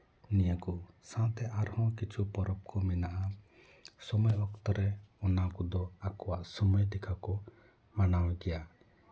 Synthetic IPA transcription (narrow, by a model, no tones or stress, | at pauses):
nijakusãt̪ɛʔaɾhɔ̃kit͡ʃʰupɔɾɔp̚kʰɔminaʔa | sɔmɔjɔkt̪ɔɾɛɔnakɔd̪ɔakɔwaʔsɔmɔjd̪ɛkʰakɔ | manawɛɡɛja